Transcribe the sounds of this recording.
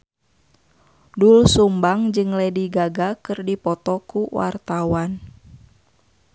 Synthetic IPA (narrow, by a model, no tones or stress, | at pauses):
dulsumbaŋd͡ʒɨŋlɛdiɡaɡakɨrdipɔt̪ɔkuwa̰rt̪awan